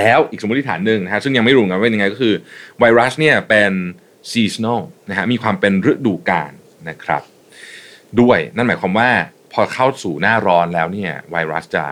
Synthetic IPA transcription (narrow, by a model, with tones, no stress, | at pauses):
lɛː˦˥wʔiː˨˩k̚so˨˦˥t̪̚ʰi˥t̪ʰaː˩˦nːɯ˨˧ŋna˦˥kʰa˥sɯ˥˩ja˧ŋma˥˩jɾu˥˦ə˦ka˧aː˥e˧nja˧ŋ˧jkɔ˥˩kʰɯː˧wa˧jɾa˦˥sni˥˩ɐpe˧n | siː˧sna˥˩wna˦˥kʰa˦˥miː˧kʰwaː˧mpe˧nɾɯ˦˥k̚duː˧kaː˧nːa˦˥kʰɾa̰˦˥p̚ | du˥˩əjna˥˩nmaː˩˦jkʰwaː˧mwaː˥˩ | pʰɔː˧kʰa˥˩wsuː˨˩naː˥˩ɾɔː˦˥nlɛː˦˥wniː˥˩ɐwa˧jɾa˦˥st͡ɕa̰˨˩